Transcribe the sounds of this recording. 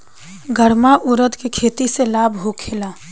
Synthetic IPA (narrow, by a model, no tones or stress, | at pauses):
ɡʱəɾmaʔʊɾəd̪kekʰeːt̪iselaːbʱɦokʰelaː